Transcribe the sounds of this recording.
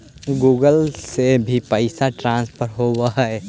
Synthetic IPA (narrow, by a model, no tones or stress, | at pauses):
ɡuːɡəlsebʱipəɪsaʈɾãːnspəɾɦowaɦae